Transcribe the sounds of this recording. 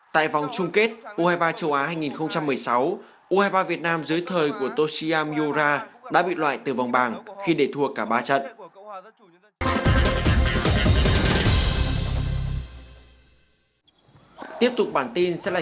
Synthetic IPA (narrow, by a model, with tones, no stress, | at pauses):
t̪a̰ː˧˨jva˨˩wŋ͡mt͡ɕʊ˧ŋ͡mke˦˥t̚ʔu˧haː˧jɓaː˧t͡ɕə˧wʔaː˨˦haː˧jŋi˨˩nxə˧wŋ͡mt͡ɕa˧mːɨ˨˩əjsa˨˦w | ʔu˧haː˧jɓaː˧vi˨˩ət̚naː˧mzɨ˨˦jt̪ʰəː˨˩jku˧˩ət̪o˧si˧aː˧mi˧o˧zaː˧ɗa̰ː˧˥ɓḭ˧˨lwa̰ː˧˨jt̪ɨ˨˩va˨˩wŋ͡mɓaː˨˩ŋxi˧ɗe˨˩t̪ʰu˨˩əkːaː˧˩ɓaː˧t͡ɕə̰˧˨n | t̪i˦˥əp̚t̪ʊ˨˩k͡p̚ɓaː˧˩nt̪i˧nsɛ̰˧˥laː˨